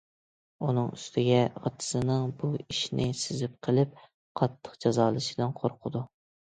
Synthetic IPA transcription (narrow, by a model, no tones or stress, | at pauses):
unɨŋyst̪ʰɪɡʲɛɑ̰t̪ʰɨ̥sɨnɨŋbuiʃnɪsɪzɪp̚qʰəlˠɪp̚ | qʰɑt̪ʰːə̥qd͡ʒɑzɑːlˠɨʃɪlɪnqʰoɾqʰʊd̪u